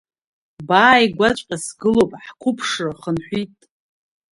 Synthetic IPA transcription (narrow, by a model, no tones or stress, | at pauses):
baːjɡʷat͡ʃʷʼqʲʼasɡɨlopʼħkʷʰʊpʰʂɨrχənħʷitʼ